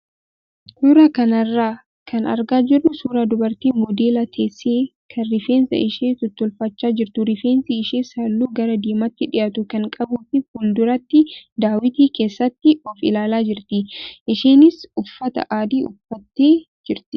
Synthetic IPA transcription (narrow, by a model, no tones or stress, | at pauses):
suːɾaːkɐnɐrːaː | kʰɐnɐ̰ɾɡaːd͡ʒɪrːʊsuːɾaːd̪ʊbɐɾt̪iːmɔd̪eːlɐt̪ʰeːseːkʰɐrɪfeːnsɐ̰ɪʃeːt̪ʊt̪ːɔlfɐt͡ʃːaːd͡ʒɪɾt̪ʊɾɪfeːnsiɪʃeːsɐlːuːɡɐɾɐd̪iːmɐt̪ːɪᶑɪʔaːt̪ʊkɐŋkʼɐbuːfɪhuːld̪ʊɾɐt̪ːɪd̪aːwɪt̪iːke̞ːsːɐt̪ːɪɔfɪ̰laːlaːd͡ʒɪɾt̪ɪʔɪʃeːnɪsʊfːɐt̪ɐ̰ʔaːd̪iːʔʊ̰fːɐt̪ːe̞ː | d͡ʒɪɾt̪ɪ